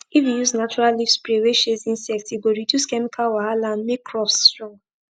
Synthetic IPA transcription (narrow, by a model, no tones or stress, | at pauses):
ifijuznat͡ʃuɹallifspɹeweʃezĩnsɛk̚tiɡoɹidjuskɛmikʰalwahalãndmekʰːɹɔfsstɹɔ̃ŋ